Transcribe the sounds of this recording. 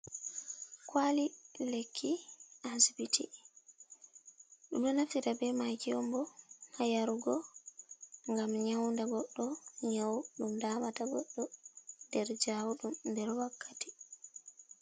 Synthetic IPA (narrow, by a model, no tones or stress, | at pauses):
kwalilekʰːiʔasbiti | ɗumɗɔnafiɾabɛmakiɔmbɔhajaɾuɡɔ | ŋɡamɲawndaɡɔɗːɔɲawɗumdaːmataɡɔɗːɔndɛɾd͡ʒawuɗumndɛɾwakʰːati̥